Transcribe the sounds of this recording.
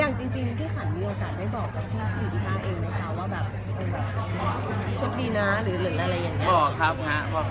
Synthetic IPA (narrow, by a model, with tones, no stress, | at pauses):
jaː˨˩ŋt͡ɕi˧ŋt͡ɕi˧ŋ˧t̪ʰiː˥˩kʰa˨˩˦nmiː˧ʔoː˧kaː˨˩t̪̚daː˦˥˩jbɔː˨˩kːa˨˩p̚t̪ʰiː˥˩sʰiː˨˩˧kʰaː˥˩ʔeː˧ŋma˧˥˩kʰa˦˥˩waː˥˩bɛː˨˩p̚ | pe˧nbɛː˨˩p̚ɔ˨˦ɔ˧˦˧t͡ɕʰo˦˥t̪̚diː˧naː˦˥ɾɯː˩˦lɯ˨˩˦ʔɾa˧jːaː˨˩ŋːɲa˦bɔː˨˩kʰa˦˥p̚ha˦˥ʔpʰɔː˧